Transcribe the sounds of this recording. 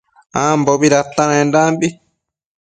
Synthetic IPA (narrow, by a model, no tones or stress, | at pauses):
ãmboβiɾat̪ːaɾãẽndambi